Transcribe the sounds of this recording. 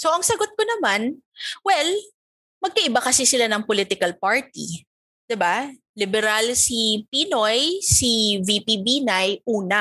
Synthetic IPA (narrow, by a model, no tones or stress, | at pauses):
soʔɐŋsɐɡot̪̚konɐmanwɛl | mɐɡ̚kɐʔɪbakɐsisɪlanɐŋpolit̪ɪkɐlpaɹt̪i | d̪̥ɪba | lɪbɛɾalsipinojsiviːpibinajʔuːnɐ